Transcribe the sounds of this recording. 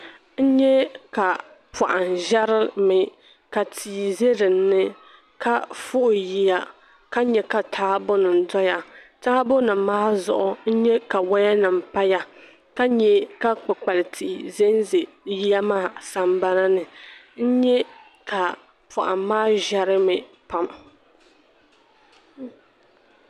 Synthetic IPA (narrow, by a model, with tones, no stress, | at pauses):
n̩˦ɲɛ˦ka˨ | pa˨ʔa˨nʒɛ˦ɾɨ˦mɪ˨ | ka˨tʰiː˨ze˦ɾɨ˨nː˦ɨ˦ | ka˦fʊ˦ʔʊ˨ji˦ja˦ | ka˦ɲɛ˨ka˨tʰaː˦bʊ˦nɨ˨n˨dɔ˦ja˨taː˦bo˦nɨ˨mːaː˦zʊ˨ʔʊ˨n̩˦ɲɛ˦ka˨wa˦ja˦nɨ˨m̩˨pa˦ja˦ | ka˦ɲɛ˨ka˦k͡pɨ˨k͡pa˨lɪ˨tʰi˨ʔi˨ze˦n˦ze˨ | ji˦ja˦maː˦˨sa˨m˦ba˦na˦nɨ˨ | n̩˦ɲɛ˦ | ka˨ | pʰʊ˨ʔa̰˨maː˦ʒɛ˦ɾɨ˦mɨ˨ | pa˦m